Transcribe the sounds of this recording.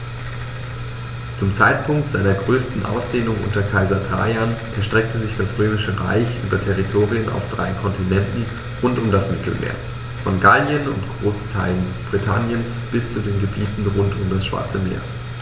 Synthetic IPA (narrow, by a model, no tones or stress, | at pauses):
t͡sʊmt͡saɪtpʰʊŋk̚tz̥aɪnɐɡʁøːstn̩ʔa̰ʊsd̥eːnʊŋʔʊ̰ntɐkʰaɪzɐtʰa̰ːjanʔɛɐʃtʁ̥ɛk̚təzɪçd̥asʁøːmɪʃəʁa̰ɪçʔyːbɐtʰɛʁ̞itʰoːʁiəna̰ʊfd̥ʁa̰ɪkʰɔntinɛntn̩ | ʁʊntʊmdasmɪtʰl̩mḛːɐ | fɔnɡalnjənʊ̰ntɡ̥ʁoːstʰa̰ɪlənb̥ʁitʰanjəns | b̥ɪst͡sudeːnɡəbiːtn̩ʁʊntʊmdasʃv̥a̰ɐt͡səmḛːɐ